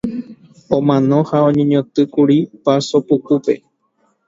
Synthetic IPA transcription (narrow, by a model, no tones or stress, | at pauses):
õmãnõ̞haõɲẽɲõt̪ɨkuɾipasopukupe